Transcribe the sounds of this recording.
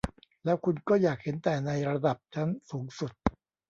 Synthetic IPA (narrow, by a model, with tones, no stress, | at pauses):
lɛː˦˥wkʰu˧nkɔː˥˩jaː˨˩k̚he˩˦nt̪ɛː˨˩na˧jɾa˧da˨˩p̚t͡ɕʰa˦˥nsuː˩˦ŋsu˨˩t̪̚